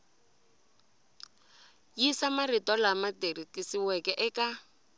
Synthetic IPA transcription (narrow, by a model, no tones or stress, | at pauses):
jisamaritɔlamaterikʼisiwɛkɛʔɛkʼa